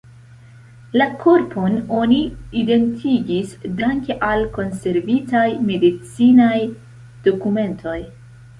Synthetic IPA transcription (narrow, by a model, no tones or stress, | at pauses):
lakʰo̞ɾpʰo̞no̞niide̞ntʰiɡisdaŋke̞ʔalko̞nse̞ɾvitajme̞dit͡sinaj | d̥o̞kume̞ntʰo̞j